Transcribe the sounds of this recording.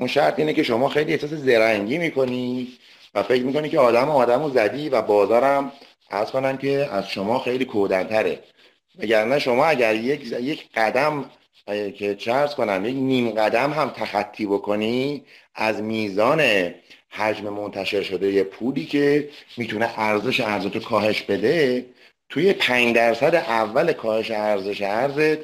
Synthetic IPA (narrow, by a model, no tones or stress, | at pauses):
unʃæɾt̪ʰiːnece̞ʃo̞mɒːxejliːehsɒːs̬ezeɾæŋɟiːmiːkʰo̞ni | væfe̞cɾmiːkonikcʰeɒːd̪æmoɒːd̪æmozæd̪iːvæbɒːzɒːɾæm | ʔæ̰ɾz̥ko̞næmcʰe̞æzʃo̞mɒːxejliːkʰohd̪ænt̪ʰæɾḛ | mæɟæɾnæʃo̞mɒːæɟæɾjejecʰɢ̥æd̪æm | cʰe̞t͡ʃʰeæɾz̥ko̞næmje̞cniːmɢæd̪æmɦæmt̪ʰæxæt̪ʰːiːbo̞kʰo̞ni | æzmiːzɒːne̞hæd͡ʒme̞mo̞nt̪ʰæʃe̞ɾʃo̞d̪e̞jepʰuːliːcʰe̞miːt̪ʰune̞ʔæɾze̞ʃeæɾzet̪ʰokʰɒːhe̞ʃbe̞d̪e̞ | t̪ʰuje̞pʰæɲd̪æɾsæd̪eʔævːælekʰɒːhe̞ʃeæɾze̞ʃeæɾzet̪